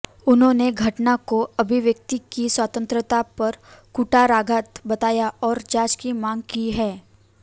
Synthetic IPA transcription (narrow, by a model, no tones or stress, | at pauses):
ʊnɦõːneɡʱɐʈnakoɐbʱɪʋjək̚t̪ikiswaːt̪ə̃nt̪ɾət̪apɐɾkuʈaɾaːɡʱat̪bɐt̪aːjaɔːɾd͡ʒaːt͡ʃkimãːŋɡ̚kiɦɛː